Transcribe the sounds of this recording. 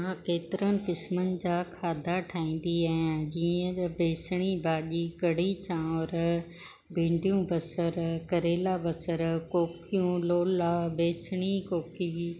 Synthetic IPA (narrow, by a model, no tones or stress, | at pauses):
ɦãkeːt̪ɪɾənɪ̆kɪsmənɪ̆d͡ʑaːkʰaːd̪ʱaʈʰaːĩːn̆d̪iɛ̃ːd͡ʑiːə̃beːsɪɽ̃ibaːʄikɐɽ̤it͡ɕãːʋɾ | bʱĩːɳɖijũbɐsəɾkɐɾeːlabɐsəɾkoːkijũloːlaːbeːsɽ̃ikoːki